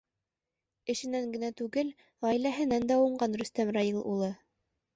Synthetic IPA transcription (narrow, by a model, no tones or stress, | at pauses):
ɘ̆ʃɘ̆næŋɡɘ̆næt̪ʉɡɘl | ʁɑilæɦɘ̆nænd̪æuɴɢɑnɾɵ̆st̪æmrɑjilˠʔṵlˠɤ